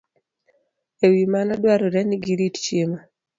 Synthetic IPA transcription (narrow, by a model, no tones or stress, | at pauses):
ewimanadwaɾoɾɛniɡiɾitt͡ʃjema